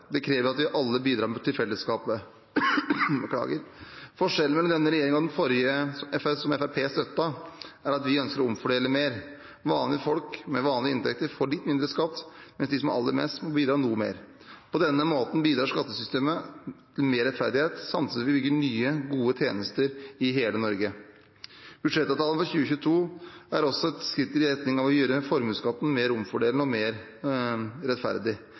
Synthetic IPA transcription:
d̪ɛkʰɾeːʋəɾɑt̪ʋɪʔɑlːəbiːd̪ɾɑːmt̪ʰɪlfɛlːəskɑːpə | bəkʰlɑ̰ːɡəɾfɔʂɛlən̩mɛlɔmd̪ɛnːəɾɛjeːɾɪŋɑd̪nfɔɾjəɛfsɔmɛfæpʰeːst̪œt̪ːɑʔæɾɑt̪ʋɪœnskəɾɔʊmfɔɖeːləmeːɾ | ʋɑːnlɪəfɔlkmɛʋɑːnlɪəɪnt̪ʰɛk̚t̪əɾfoːɭɪt̪ːmɪnd̪ɾəskɑt̪ːmɛnsd̪ɪsɔm̰ʔɑ̰lːə̰mɛ̰st̪mɔbiːd̪ɾɑːnuːmḛːɾ | pʰɔd̪ɛnːəmoːt̪n̩biːd̪ɾɑːʂkɑt̪ːəsʏst̪eːmə | l̩meːɾɛt̪fæɾd̪ɪheːt̪sɑmt̪ʰssʋɪbʏɡːəɳyːəɡuːət̪ʰjeːnəst̪əɾɪɦeːlənɔɾɡə | b̥ʉd̪ʂɛt̪ːɑʋt̪ɑːlən̩fɔçʉːəçʉːt̪ʰuːæɾɔsɔɛt̪skɾɪt̪ːəɾɪɾɛt̪nɪŋɑʋɔjøːɾəfɔɾmʉskɑt̪ːn̩meːɾʊmfɔɖeːlnəɔmeːɾ | ɾɛt̪fæ̰ɾd̪ɪ

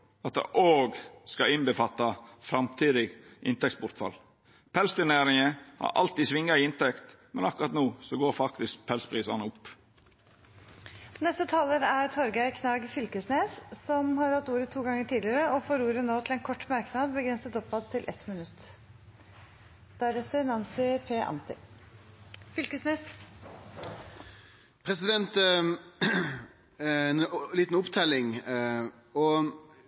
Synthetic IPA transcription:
ɑt̪̚d̪ɛ̰ʔoːɡskɑɪnbəfɑt̪ːɑfɾɑmt̪ʰiːd̪ɪɡʔɪnt̪ɛk̚sbʊɾt̪fɑ̰l | pʰɛlst̪ɪneːɾɪŋəhɑ̰ɾɑ̰lt̪iːsʋɪŋːɑɪɪnt̪ɛkt̪ | mɛnɑkʊɾɑt̪noːsɔɡoːɾfɑkt̪ɪsk̚pʰɛlspʰɾiːsɑnəʊpː | nɛst̪ət̪ʰɑːləɾæɾt̪ʰɔɾɡæɪkʰnɑːɡfʏlkəsneːssɔmhɑɾhɑt̪ːuːɾət̪ʰuːɡɑŋəʈʰiːd̪lɪɾəɔfoːɾuːɾənoːt̪ʰɪlɛːnkʰɔʈːmɑɾknɑd̪bəɡɾɛnsət̪ɔpːɑt̪ʰːɪlʔɛ̰t̪mɪnʉt̪ː | d̪̥æɾɛt̪ːənɑnsɪpʰeːʔɑ̰nt̪ɪ | fʏlkəsneːs | pʰʁɛsɪd̪ɛnt̪ | nliːt̪n̩ʊpt̪ʰɛlɪŋ | ɔ

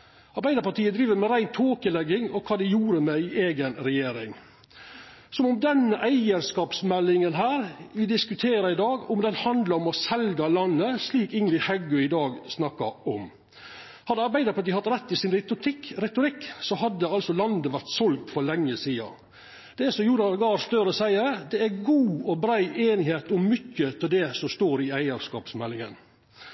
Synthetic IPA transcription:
ɑɾbæɪd̪əɾpɑʈiːəd̪ɾiːʋəɾmɛɾæɪnt̪ʰoːkəlɛɡɪŋɔkʰɑːd̪ɛjuːɾəmɛɪʔeːɡənɾɛjeːɾɪŋ | sɔmɔmd̪ɛnːəʔæɪəɾskɑːpsmɛlːɪŋənɦæːɾʋɪd̪ɪskʉt̪ʰeːɾəɪd̪ɑːɡɔmd̪ɛnhɑnd̪ləɾɔmɔsɛlɡɑlɑnːəsliːkɪŋlɪhɛɡʉɪd̪ɑːɡsnɑkːɑɾɔm | hɑd̪ɛɑɾbæɪd̪əpʰɔɑt̪̚d̪ɪhɑt̪ɾɛt̪ːɪsɪnɾɪt̪ʊt̪ɪkːɾɛt̪ʊɾɪkːsɔɦɑd̪ːəɑlsɔlɑnd̪əʋæɾt̪sɔlɡt̪fɔlɛŋːəsiːɑ̰ | d̪̥ɛɛsɔmjuːɾɑɡɑːst̪œɾəɔsæɪəd̪ɛæɡuːɔbɾæɪʔeːnɪheːt̪ʊmːʏçːət̪ʰɪld̪ɛsɔmst̪oːɾɪæɪəɾskɑ̰ːpsmɛlːɪŋə̰n

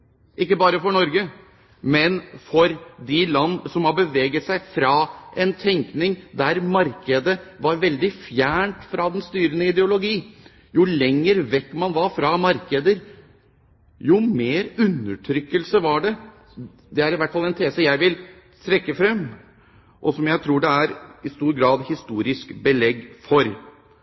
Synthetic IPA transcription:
ʔɪkːəbɑːɾəfɔɳɔɾɡə | mɛnfɔɾd̪ɪlɑnːsɔmhɑbəʋeːɡət̪sæɪfɾɑʔɛnt̪ʰɛŋknɪŋd̪æɾmɑɾkəd̪əʋɑɾʋɛld̪ɪfjæːɳʈfɾɑd̪ɛnst̪yːɾənəɪd̪ɛʊlʊɡiː | jʊlɛŋːəɾʋɛkːmɑnʋɑɾfɾɑmɑɾkəd̪əɾ | jʊmeːɾʉnːəʈʰɾʏkːəlsəʋɑɖɛ | d̪ɛæɾɪʋæʈːfɑlɛnt̪ʰeːsəjæɪʋɪl | t̪ʰɾɛkːəfɾɛmː | ʔɔsɔmjæɪt̪ʰɾuːɖɛæɾɪst̪uːɾɡɾɑːd̪hɪst̪uːɾɪskbəlɛɡfɔɾ

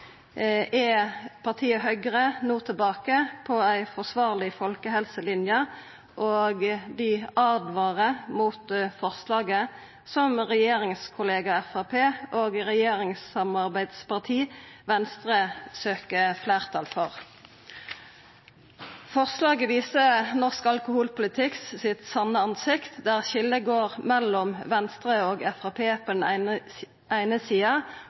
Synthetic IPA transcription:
ʔɛpʰɑʁt̪ʰiːəɦœʏɡəʁənuːt̪ʰɪlbɑːkəpʰɔæɪfɔʁsʋɑːʁlɪfɔlkəɦɛlsəlɪnjə | ʔoːɡd̪ɪɑːd̪ʋɑːʁəmuːt̪fɔʁslɑːɡə | sɔmʁɛjeːʁɪŋskʰʊleːɡɑɛfɑːpʰeːʔoːɡʁɛjeːʁɪŋsɑmɑʁbæɪd̪spɑʁt̪ʰiːʋɛnst̪ʁəsøːkəflæːʁt̪ʰɑlfɔʁ | fɔʁslɑːɡəʋiːsənɔʁskɑlkʊhuːlpʊlɪt̪ʰɪkssɪt̪sɑnəɑnsɪkt̪d̪æːʁʃɪld̪əɡoːʁmɛlɔmʋɛnst̪ʁəoːɡɛfɑpʰeːpʰɔd̪ɛn̩ | æɪnəsiːɑ

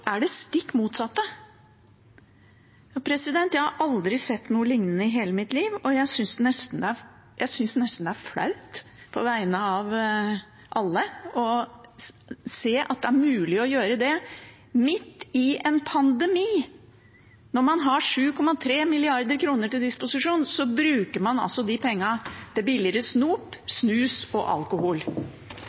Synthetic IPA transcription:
ʔæɖɛst̪ɪkːmuːt̪sɑt̪ːə | jɑpʰɾɛsɪd̪ɛnt̪jæɪhɑɾʔɑld̪ɾɪsɛt̪ːnuːəlɪŋnənəɪɦeːləmɪt̪liːʋɔjæɪsʏnsd̪ɛnɛst̪n̩d̪ɛæ | jʔæɪsʏnsd̪nɛst̪n̩d̪ɛæɾflɑ̰ʉt̪ | pʰɔ̰ʋæɪnəɑʋ | ʔɑlːəɔ | seːʔɑ̰t̪̚d̪ɛæɾmʉːlɪɔjøːɾəd̪ɛ | mɪt̪ːɪɛnpʰɑnd̪ɛmiː | nɔɾmɑnɦɑʂʉːkʰɔmɑt̪ʰɾeːmɪlɪɑɾd̪əɾkʰɾuːnəʈɪld̪ɪspʊsɪʂuːnsɔbɾʉːkəɾmɑnɑ̰lsɔd̪ɪpʰɛŋːɑd̪̥ɛbɪlɪɾəsnuːpsnʉːsɔ̰ʔɑ̰lkʊhuːl

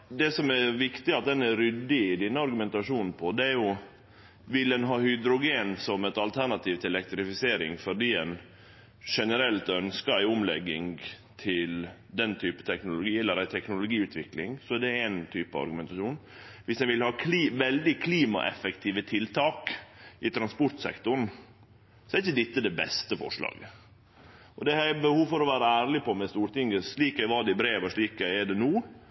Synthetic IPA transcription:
d̪ɛsɔmɛɾʋɪkt̪ɪɑt̪̚d̪ɛnɛɾʏd̪ːɪɪd̪ɛnːəɑɾɡʉmɛnt̪ɑʂuːnn̩pʰɔd̪ɛæɾjʊ | ʋɪlɛnɦɑːhʏd̪ɾʊɡeːnsɔmɛt̪ɑlt̪ʰæɳɑt̪ʰiːʋt̪ʰɪɛlɛk̚t̪ɾɪfɪseːɾɪŋfɔɖiːɛn | ʂɛnəɾɛlt̪œnskəɾæɪʊmlɛɡːɪŋ | t̪ʰɪl | d̪ɛnt̪ʰyːpə̥t̪ʰɛknʊlʊɡiːɛlːəɾæɪt̪ʰɛknʊlʊɡiːʉːt̪ʰʋɪklɪŋsɔæɖɛæɪnt̪ʰyːpəɑ̰ɾɡʉmɛnt̪ɑʂuːn | ʋɪsjæɪʋɪlhɑːkʰliːʋɛld̪ɪkʰliːmɑ̰ʔɛ̰fɛkt̪ʰiːʋət̪ʰɪlt̪ʰɑːkʔɪt̪ʰɾɑnspʊɾʈ̪sɛ̰kt̪ʊn̩ | sɔɛɾɪçəd̪ɪt̪ːəd̪ɛbɛ̰st̪əfɔ̰ʂlɑ̰ːɡə | ʔɔd̪ɛæɪbəhuːʋfɔɾɔʋæːɾəæːɾlɪpʰɔmɛst̪uːɾʈ̪ɪŋːəʂɭiːkæɪʋɑːɖ̪ɛɪbɾeːʋəʂɭiːkæɪɛɖɛnuː

